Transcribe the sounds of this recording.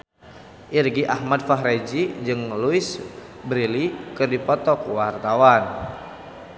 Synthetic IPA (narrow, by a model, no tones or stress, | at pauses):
ʔirɡiʔahmad̚faɦɾed͡ʒid͡ʒɨŋluis | bɾilikɨrdipɔt̪ɔkwart̪awan